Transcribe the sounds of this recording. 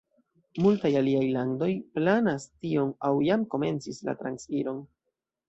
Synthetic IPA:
multajaliajlando̞jplanastio̞nawjamko̞me̞nt͡sisla̰tɾansfiɾo̞n

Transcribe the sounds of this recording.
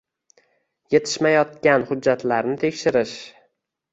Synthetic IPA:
je̞t̪ʰɪ̥ʃmajɒt̪kʲanhʊd͡ʒːat̪laɾnɪt̪ʰe̞kʲʃɪɾɪʃ

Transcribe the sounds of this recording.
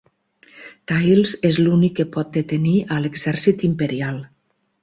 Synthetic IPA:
t̪ajlzezlunikːəpɔt̪̚d̪et̪eniəleɡzɛɾsit̪impeɾialˠ

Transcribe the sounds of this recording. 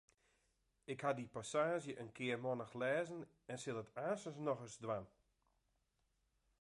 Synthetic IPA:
ɪkhadipasaːʒjəʔənkʰɪərmɔnəxlɛːzən | ɛnsɪlˠətaːsəsnɔɣəsdʋam

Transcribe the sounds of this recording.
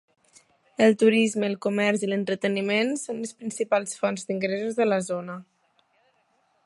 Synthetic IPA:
əlˠt̪uɾizməːlˠkumɛrzilənt̪ɾət̪ənimensonləspɾinsipalˠsfɔnzd̪iŋɡɾɛzuzðələzonə

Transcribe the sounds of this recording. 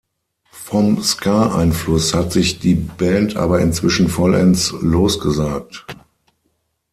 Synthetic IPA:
fɔmskʰaːʔa̰ɪnflʊshatz̥ɪçd̥iːbɛːntʰʔa̰ːbɐɪ̰nt͡sv̥ɪʃn̩fɔlʔɛ̰nsloːsɡ̥əzaːk̚t

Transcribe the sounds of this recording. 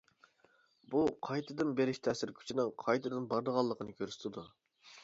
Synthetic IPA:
buqʰɑjt̪ʰɨd̪ɨnbeɾɪʃt̪ʰɛːsɪɾkʲʰy̥t͡ʃʰinɪŋqʰɑjt̪ʰɨd̪ɨnbɑɾd̪əʁɑlˠːəqʰənɨkʲʰøɾsɪ̥t̪ʰɪd̪u

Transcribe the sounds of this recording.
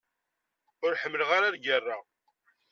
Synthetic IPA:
ʊɾħəmːələʁaɾaɾɡərˤːa

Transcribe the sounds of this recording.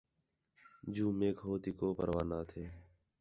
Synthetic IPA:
d͡ʒuːmeːkɦoːt̪iːkoːpə̰ɾʋaːnaːt̪ʰeː

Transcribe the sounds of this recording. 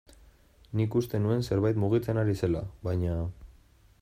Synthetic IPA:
nikust̪e̞nue̞nse̞ɾβajt̪̬muɣ̞it͡senaɾise̞laβajɲa

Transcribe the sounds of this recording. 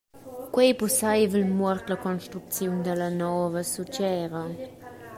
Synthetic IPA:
kwejpusajvəlmwɔrt̪ləkɔnʃt̪ɾuk̚t͡sjund̪ələnɔːvəsut͡ʃɛːɾə

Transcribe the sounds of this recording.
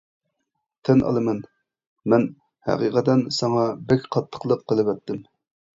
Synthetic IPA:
t̪ʰɛnʔɑ̰lˠɨmɛn | mɛn | hæ̰qiqʰɛt̪ɛnsɑŋɑbɛkʲqʰɑt̪ʰːə̥qlˠəqːəlˠɨwɛt̪ːɪm

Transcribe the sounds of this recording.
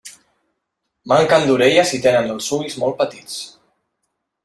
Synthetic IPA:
maŋkənd̪uɾeʎəzit̪enənəlˠsuizmɔlˠt̪̚pət̪it͡s

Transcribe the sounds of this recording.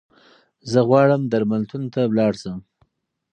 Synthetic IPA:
zəɣwɑɽəmd̪aɾmalt̪unt̪awlɑɽsəm

